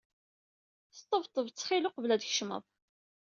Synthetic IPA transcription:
st̪ˤːəvt̪ˤːəvt͡sːχɪlʊqvlæd̪çʃmə̰ðˤ

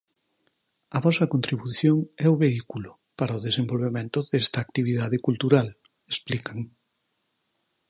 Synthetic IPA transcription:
ɐβɔsɐkõnt̪ɾiβuθjoŋɛʊβeikulʊ | paɾaoðesembolβemẽnt̪ʊðɛst̪ɐːk̚t̪iβ̞iðaðɪkult̪uɾal | esplikaŋ

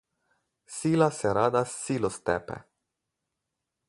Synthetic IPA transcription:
silaseɾad̪asːilost̪ḛpḛ

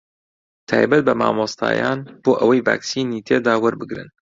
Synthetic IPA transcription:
t̪ʰaːjbɐt̪̚bɐma̰ːmost̪ʰa̰ːja̰ːnb̥oːʔɐwɐjva̰ːksiːniːt̪ʰeːd̪aːwɐɾbɨɡɾɨ̰n

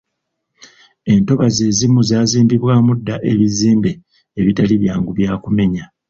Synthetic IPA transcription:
e̞nto̞βaze̞ːzimuzaːziːmbiβwaːmudːaʔe̞βiziːmbe̞ | eβitaliβjaːŋɡuβjaːkume̞ɲa

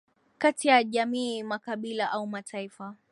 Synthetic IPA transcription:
katijaʄamiːmakaɓilaʔaumatʰaifa

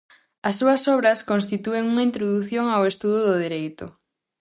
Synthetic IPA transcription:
ɐsːuɐsɔβɾɐskonst̪it̪ueŋuŋaint̪ɾoðuθjoŋawest̪uðʊðʊðeɾejt̪ʊ

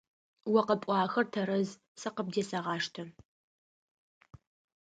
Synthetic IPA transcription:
wɐqɐpʷʼɑːxɐrtʰɐɾɐz | sɐqəb̚deːsɐʁɑːʂtʰɐ

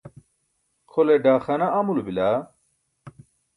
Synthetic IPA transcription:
kʰoleɖaːxɐnaɐmulubilaː

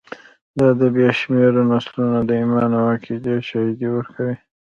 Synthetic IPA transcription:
d̪ɑd̪əbjɑʃmeɾonaslunad̪əimɑnawakʰid͡ʒeʃɑhid̪iwəɾkʰawi

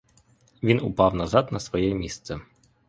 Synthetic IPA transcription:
ʋʲinʊpɑwnɐzɑd̪nɐsʋɔjɛmʲist̪sɛ

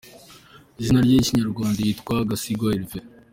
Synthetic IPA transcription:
ʒinaɾjaiciɲaɾɡwaːndajitkwaɡasiɡaiɾve

